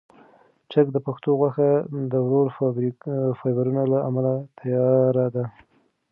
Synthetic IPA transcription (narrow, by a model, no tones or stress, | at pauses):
t͡ʃak̚d̪əpaxt̪oɣwaxad̪əwɾoɾfbfɑjbaɾunalaamalat̪ʰajɑɾad̪a